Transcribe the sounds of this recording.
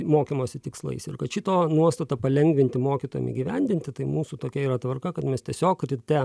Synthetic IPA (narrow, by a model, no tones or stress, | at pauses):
moːkʲimoːsʲɪt̪ʲɪkslˠɐ̰ɪsɪrkɐt̪ʃʲɪt̪oːnuɔst̪ɐt̪ɐpɐlʲɛŋʲɡʲʋʲɪnʲt̪ʲɪmoːkʲit̪oːjɛ̰mʲɪ̰ɡʲiʋʲɛnʲd̪ʲɪnʲt̪ʲɪt̪ɐɪmuːsut̪oːkʲɛiːɾɐt̪ʋɐrkɐkɐt̪mʲɛst̪ʲiɛsʲoːkɾʲɪt̪ʲɛ